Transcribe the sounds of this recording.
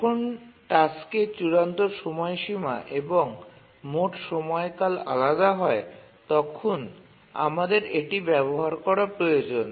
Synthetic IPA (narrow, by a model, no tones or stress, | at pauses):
kʰonʈasket͡ɕuɾant̪oɾʃɔmɔeʃima̰ʔeboŋ | moʈʃɔmɔekala̰lad̪aɦɔe | t̪ɔkʰon | a̰mad̪eɾeʈibɛboɦaɾkɔɾapɾojod͡ʑon